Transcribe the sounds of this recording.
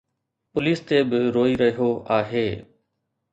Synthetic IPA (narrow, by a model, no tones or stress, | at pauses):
pʊliːst̪eːbɪɾoːiːɾəioːaːɦeː